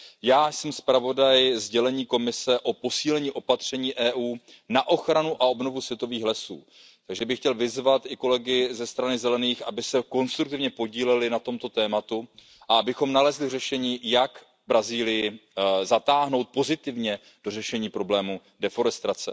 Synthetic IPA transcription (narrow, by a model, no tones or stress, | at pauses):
jaːsɛmspɾavo̞dajzɟɛlɛɲiːko̞mɪsɛʔo̞po̞siːlɛɲiːʔo̞pat̪r̝̥ɛɲiːʔɛːʔuː | naʔo̞xɾanuʔao̞bno̞vusvjɛt̪o̞viːxlɛsṵː | t̪aɡʒɛbɪxcɛlvɪzvat̪ɪko̞lɛɡɪzɛst̪ɾanɪzɛlɛniːxʔabɪsɛko̞nst̪ɾuk̚t̪ɪvɲɛpo̞ɟiːlɛlɪnat̪o̞mt̪o̞t̪ɛːmat̪u | ʔaabɪxo̞mnalɛzlɪr̝ɛʃɛɲiːjak | bɾaziːlɪjɪzat̪aːɦno̞wt̪̚po̞zɪt̪ɪvɲɛ | d̥o̞rɛʃɛɲiːpɾo̞blɛːmu | dɛfo̞ɾɛst̪ɾat͡sɛ̰